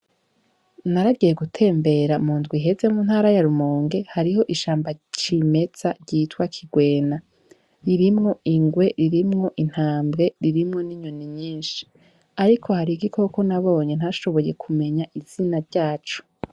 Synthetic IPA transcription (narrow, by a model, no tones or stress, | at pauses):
naɾaɟije̞ɡutʰe̞ːmbe̞ɾamuːndɡwiɦe̞ze̞munhaːɾajaɾumoːŋɡe̞haɾiɦo̞ʔiʃaːmbat͡ʃime̞t͡saɾɟiːtwakʰiɡwe̞ːna | ɾiɾimŋo̞iŋɡwe̞ɾiɾimŋo̞ʔin̥haːmbɡe̞ɾiɾimŋo̞niɲoniɲiːnʃi̥ | aɾikʰo̞haɾiɡikʰo̞ko̞naβo̞ːɲe̞n̥haʃo̞βo̞je̞kʰume̞ɲaʔiz̥inaɾɟaːt͡ʃu̥